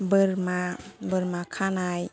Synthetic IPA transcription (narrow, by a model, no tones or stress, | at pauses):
bəɾmabəɾmakʰanaj